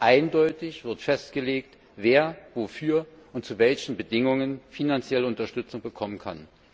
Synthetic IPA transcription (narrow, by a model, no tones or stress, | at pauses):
ʔaɪndɔʏtɪçv̥ɪɐtfɛst̚ɡ̥əleːk̚t | veːɐvofyːɐ | ʔʊnt̚t͡suvɛlçn̩bədɪŋʊŋənfinant͡sjɛləʊntɐʃtʏt͡sʊŋbəkʰɔmənkʰa̰n